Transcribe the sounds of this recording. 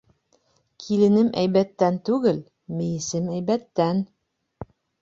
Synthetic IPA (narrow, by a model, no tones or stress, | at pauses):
kʰilɘ̆nɘmʔæjβæt̪ːænt̪ʉɡɘl | mɘ̆jɘ̆sɘmæjβæt̪ːæn